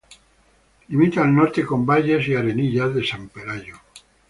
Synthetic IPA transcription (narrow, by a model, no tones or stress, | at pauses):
limit̪aːlnoɾt̪eko̞mbaʎe̞siaɾe̞niʎazðe̞sampe̞ɾaʎo